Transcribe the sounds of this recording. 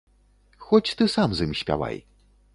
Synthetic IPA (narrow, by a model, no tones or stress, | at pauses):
xɔt͡sʲt̪ɨsamzɨmɕʲpʲa̰va̰j